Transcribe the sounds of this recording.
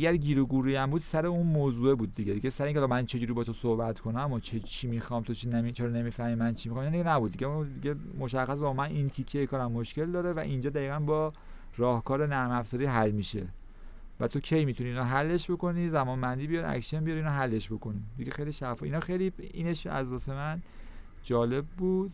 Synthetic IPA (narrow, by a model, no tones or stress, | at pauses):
æɡæɾɟiːɾoɡuːɾuːjæmbuːd̪̥sæɾe̞unmoːzuebuːd̪̚ːiɟed̪iɟesæɾeĩŋʰʲelːmænt͡ʃʰe̞d͡ʒuːɾibɒːt̪ʰo̞sohbæt̪ʰkʰo̞næmot͡ʃʰet͡ʃʰimixɒmt̪ʰot͡ʃʰinæmit͡ʃʰeɾɔnemiːfæhmimænt͡ʃʰimixɑminɑnd̪iɡenæbuːd̪̚d̪iɟeud̪iɟemo̞ʃæxæsbɒmænint̪ʰikʰːejekʰɒːɾæmːo̞ʃce̞ld̪ɒːɾe̞væ̰ʔind͡ʒɒːd̪æiːɣænbɒː | rɒːhkʰɒːɾenæɾmæfzɒːɾiɦælːmiʃe̞ | væt̪ʰo̞kcʰe̞jmit̪ʰuniːnɒɦælːe̞ʃbo̞ko̞nizæmɒːnbænd̪ibijɒɾiæ̰kʃenbijɒɾiːnɒɦælːe̞ʃbo̞ko̞nid̪iɟexejliʃæfɒiːnɒːxe̞jliiːneʃæ̰zdɒːse̞mæn | d͡ʒɒːle̞b̚ːuːd̪̥